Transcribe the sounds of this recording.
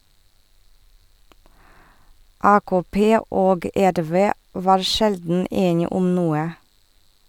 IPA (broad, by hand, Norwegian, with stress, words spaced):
ˈɑːkoːˌpeː ˈoːɡ ˈæɾˌʋeː ˈʋɑːɾ ˈʃɛldn̩ ˈeːnɪ ˈʊm ˈnuːə